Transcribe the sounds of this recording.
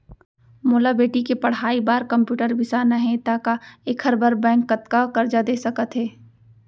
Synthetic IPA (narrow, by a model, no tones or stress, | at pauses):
moːlabeːʈikepɐɽ̤ɦaːibaːɾkɐ̃mpjuːʈəɾbɪsanɐɦẽt̪akaekʰəɾbəɾbɛ̃ːŋkːɐt̪kakɐɾd͡ʒad̪eːsɐkət̪ɦɛː